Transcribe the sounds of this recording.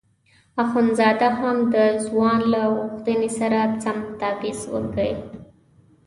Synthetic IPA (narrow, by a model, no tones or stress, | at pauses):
axunzɑd̪aɦamd̪əzwɑnlaɣuxt̪ənesaɾat͡samt̪ɑbɪswə̰lɡəji